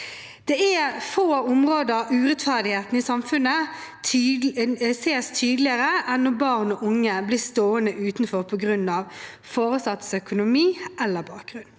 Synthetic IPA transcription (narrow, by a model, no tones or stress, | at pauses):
d̪̥ɛɛfoːʊmʁoːd̪əʉːʁɛt̪fæʁd̪ɪheːt̪n̩isɑmfʉnːə | seːst̪ʰyːd̪lɪəʁəʔɛnːɔbɑːʁnɔːʔʊŋːəbliːst̪oːənəʔʉːt̪nfɔʁpʰɔɡʁʉnːɑʋ | foːʁəsɑt̪sœkʊnʊmiːʔɛlːəbɑːk̚ɡ̥ʁʉnː